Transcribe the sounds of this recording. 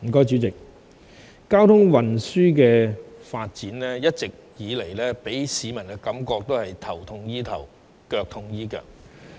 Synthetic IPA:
m̩˨˩kɔː˥jt͡ʃy˨˥t͡sɪ˨k̚ | kaː˥wt̪ʰʊ˥ŋwɐ˨nsyː˥k̬ɛː˧faː˧t̚t͡siː˨˥nlɛː˥jɐ˥t̚t͡sɪ˨k̚jiː˨˧le˨˩jlɛː˥pe˨˥jsiː˨˥mɐ˨˩nkɛ˧kɐ˨˥mkɔː˧k̚t̪o˥whɐ˨jt̪ʰɐ˨˩wt̪ʰʊ˧ŋjiː˥t̪ʰɐ˨˩w | kœː˧k̚t̪ʰʊ˧ŋjiː˥kœ̰ː˨k̚

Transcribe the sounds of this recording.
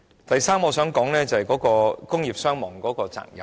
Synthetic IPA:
t̪ɐ˨jsaː˥mɔː˨˧sœː˨˥ŋkɔː˨˥ŋlɛː˥t͡sɐ˨hɐ˨jkɔː˨˥kɔː˧kʊ˥ŋjiː˨p̚sœː˥ŋmɔː˨˩ŋkɔː˨˥kɔː˧t͡sa̰ː˧˨k̚jɐ˨

